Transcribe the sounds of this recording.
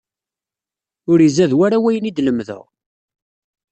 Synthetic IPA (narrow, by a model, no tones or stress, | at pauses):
ʊɾəzæðwæɾawæjənid̪ləmðə̰ʁ